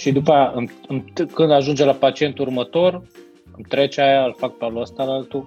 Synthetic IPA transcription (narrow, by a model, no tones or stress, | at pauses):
ʃid̪upəjaʔɨmɨmkɨnd̪aʒund͡ʒelapat͡ʃie̞nt̪urmət̪o̞r | ɨmt̪ɾe̞t͡ʃeajaɨlfak̚paluəst̪aalalt̪u